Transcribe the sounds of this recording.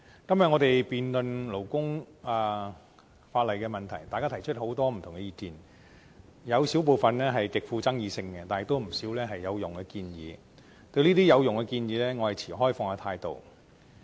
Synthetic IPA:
kɐ˥mjɐ˨t̚ŋɔː˨˧t̪e˨jpiː˨nlɵ˨nlo˨˩wkʊ˥ŋ | aː˨ | faː˧t̚lɐ˨jkɛː˧mɐ˨nt̪ʰɐ˨˩jt̪aː˨kaː˥t̪ʰjt͡ʃʰɵ˥t̚ho˨˥wt̪ɔː˥m̩˨t̪ʰʊ˨˩ŋkɛ˧jiː˧kiː˨n | jɐ˨˧wsi˨˥wp̬o˨wfɐ˨nlɛː˥ɦɐ˨jkɪ˨k̚fuː˧t͡sɐ˥ŋjiː˨˧sɪ˧ŋkɛ˧t̪aː˨˩ɪ˨k̚t̪o˥wm̩˨˩siː˨˥wlɛː˥ɦɐ˨jːɐ˨˧wjʊ˨ŋkɛ˧kiː˧njḭː˨˧ | t̪ɵ˧ɥliː˥t̪iː˥jɐ˨˧wjʊ˨ŋkɛ˧kiː˧njiː˨˧lɛː˥ŋɔː˨˧hɐ˨jt͡sʰiː˨˩ɦɔː˥jfɔː˧ŋaː˧t̪ʰaː˧jt̪o̰˨w

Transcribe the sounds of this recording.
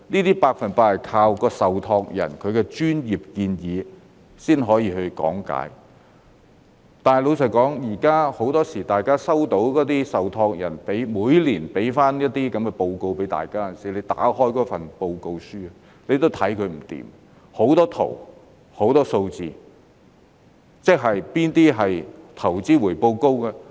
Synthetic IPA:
niː˥t̪iː˥paː˧k̚fɐ˨npaː˧˨kʰaː˧wkɔː˧sɐ˨wt̪ʰɔː˧k̚jɐ̰˨˩nkʰɵ˨˧ɥkɛ˧t͡ʃyː˥njiː˨p̚kiː˧njiː˨˧ | siː˥nɦɔː˨˥jiː˧hɵ˧ɥkɔ̰ː˨˥ŋka̰ː˨˥j | t̪aː˨njlo˨˧wsʰɐ˨˩jkɔː˨˥ŋjiː˨˩kaː˥ho˨˥wt̪ɔː˥siː˨˩t̪aː˨jkaː˥sɐ˥wt̪o˨˥wkɔː˨˥t̪iː˥sɐ˨wt̪ʰɔː˧k̚jɐ˨˩npe˨˥jmuː˨˧jliː˨˩npe˨˥jfaː˥njɐ˥t̚t̪ːiː˥kɐ˨˥mkɛ˧po˧wko˧wpe˨˥jt̪a̰ː˨jkaː˥ɐ˨nsiː˨˥le˨˧jt̪a̰ː˨˥hɔː˥jkɔː˨˥fɐ˨npo˧wko˧wsyː˥ɐ˨ | le˨˧jt̪o˥wt̪ʰɐ˨˥jkʰɵ˨˧ɥm̩˨˩t̪ḭː˨m | ho˨˥wt̪ɔː˥t̪ʰo̰˨˩w | ho˨˥wt̪ɔː˥so˧wt͡sḭː˨ | t͡sɪ˥k̚ɦɐ˨jpiː˥nt̪iː˥ɦɐ˨jt̪ʰɐ˨˩wt͡siː˥wuː˨˩jpo˧wko˥wkɛː˧

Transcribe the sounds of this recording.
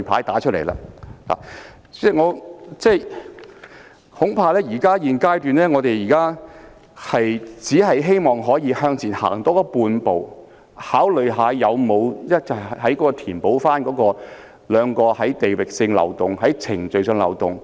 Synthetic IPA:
jpʰa̰ː˨˥jt̪aː˨˥t͡ʃʰt̚le˨˩jla̰ː˧la̰ː˨˩ | t͡sɛ˥˩ŋɔː˨˧t͡sɛː˥˩j | hʊ˨˥ŋpʰaː˧lɛː˥jiː˨˩kaː˥jiː˨nkaː˥jt̪yː˨nlɛː˥ŋɔː˨˧t̪e˨jiː˨˩kaː˥ | hɐ˨jt͡siː˨˥ɦɐ˨jɦe˥jmɔː˨˩ŋɦɔː˨˥jiː˨˧hœː˧ŋt͡sʰiː˨˩nha̰ː˨˩ŋt̪ɔː˨˥kɔː˧˥puː˧npo˨w | haː˨˥wlɵ˨ɥɦaː˨˧jɐ˨˧wmo˨˧wjɐ˥t̚t͡sɐ˨˩˨ɦɐ˨˥jkɔː˨˧˥kɔː˧t̪ʰiː˨˩npo˨˥wfaː˥nkɔː˨˥kɔː˧ | lœː˨˧ŋkɔː˧hɐ˨˥jt̪e˨jwɪ˨˩k̚sɪ˧ŋlɐ̰˨˧wt̪ʊ˨ŋɦɐ˨˥jt͡sʰɪ˨˩ŋt͡sɵ˨ɥsœ˧ŋlɐ̰˨˧wt̪ʊ˨˩ŋ

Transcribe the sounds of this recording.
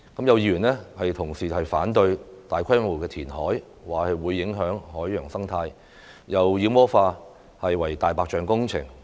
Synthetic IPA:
kɐ˨˥mjɐ˨˧wjiː˧ɥyː˨˩nlɛː˥hɐ˨jt̪ʰʊ˨˩ŋsiː˨hɐ˨jfaː˨˥nt̪ɵ˧ɥt̪aː˨jkʰɐ˥jmo˨˩kɛː˧t̪ʰiː˨˩nhɔː˨˥j | waː˨˩hɐ˨jwuː˨˧jːɪ˨˥ŋɦœː˨˥ŋhɔː˨˥jːœː˨˩ŋsɐ˥ŋt̪ʰaː˧j | jɐ˨wjiː˨˧˥mɔː˥faː˧ | hɐ˨jwɐ˨˩jt̪aː˨jpaː˧k̚t͡ʃœː˨ŋkʊ˥ŋt͡sʰɪ̰˨˩ŋ

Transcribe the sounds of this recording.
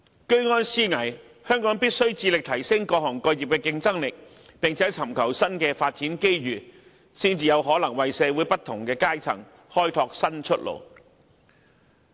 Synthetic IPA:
kɵ˥ɥŋɔː˥nsiː˥ŋɐ˨˩j | hœː˥ŋkɔː˨˥ŋpiː˥t̚sɵ˥ɥt͡siː˧lɪ˨k̚t̪ʰɐ˨˩jsɪ˥ŋkɔː˧hɔː˨˩ŋkɔ˧jiː˨p̚kɛː˧kɪ˧ŋt͡sɐ˥ŋlɪ˨k̚ | pɪ˨˩ŋt͡sʰɛː˨˥t͡sʰɐ˨˩mkʰɐ˨˩wsɐ˥nkɛː˧faː˧t̚t͡siː˨˥nke˥jɥyː˨˩ | siː˥nt͡siː˨˧jɐ˨˧wɦɔː˨˥lɐ˨˩ŋwɐ˨jsɛː˨˧wu˨˥jpɐ˥t̪ʰːʊ˨˩ŋkɛː˧kaː˥jt͡sʰɐ̰˨˩ŋ | hɔː˥jt̪ʰɔː˧k̚sɐ˥nt͡ʃʰɵ˥t̚lo̰˨˩w

